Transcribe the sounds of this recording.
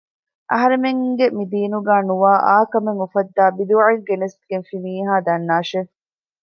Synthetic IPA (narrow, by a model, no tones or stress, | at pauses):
ʔɐ̰ɦɐɾemeŋɡemid̪iːnuɡaːnuʋaːʔaːkɐmeŋufɐd̪ːaːbid̪uʕeŋɡenesɡenfimiːɦaːd̪ɐnːaːʃe